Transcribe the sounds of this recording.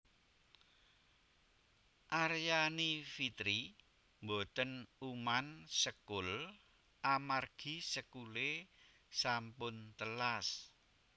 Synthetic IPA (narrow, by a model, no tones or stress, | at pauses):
ʔarjanifit̪ɾi | mbot̪ənumansəkʊl | ʔamarɡ̥i̤səkule | sampʊnt̪əlas